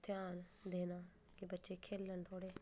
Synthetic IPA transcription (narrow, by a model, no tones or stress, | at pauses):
t̪ʰɪjaːnd̪eːnaː | kebətːʃeːkʰeːlːənt̪ʰoːɽeː